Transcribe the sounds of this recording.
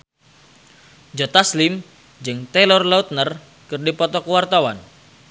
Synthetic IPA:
d͡ʒɔt̪aslim | d͡ʒɨŋt̪ɛlɔrlaut̪̚nər | kɨrdipɔt̪ɔkəwart̪awa̰n

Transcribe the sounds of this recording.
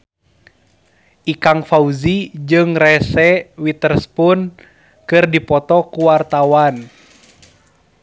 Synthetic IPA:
ʔikaŋfauzid͡ʒɨŋrɛsɛwit̪ərspun | kɨrdipɔt̪ɔkuwart̪awan

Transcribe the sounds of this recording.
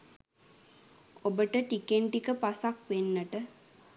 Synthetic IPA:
obəʈəʈikeɳʈikəpasakʋenːəʈə

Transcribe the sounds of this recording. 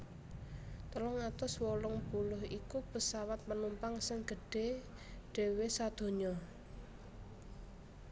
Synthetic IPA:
t̪əlɔŋat̪ɔswɔlʊŋb̥ulʊɦikupəsawat̪̚mənumpaŋsɪŋɡ̥ə̤ɖ̥e̤ | ɖ̥e̤wesad̪̥o̤ɲɔ

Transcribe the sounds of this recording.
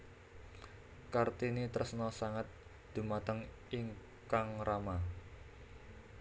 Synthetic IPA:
kart̪init̪əsnɔsaŋat̪̚ | d̪̥ṳmat̪əŋ | iŋ | kaŋrama

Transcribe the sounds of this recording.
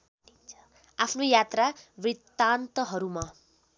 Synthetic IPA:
apʰnojat̪rabrit̪ːant̪ʌɦʌɾuma

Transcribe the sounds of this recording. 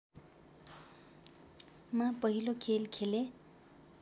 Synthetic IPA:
mapʌɦilokʰelkʰele

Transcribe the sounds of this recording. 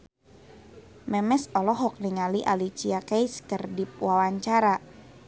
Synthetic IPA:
mɛmɛsɔlɔɦɔk̚niŋaliʔalit͡ʃiakajskərdip̚wawaɲt͡ʃaɾa

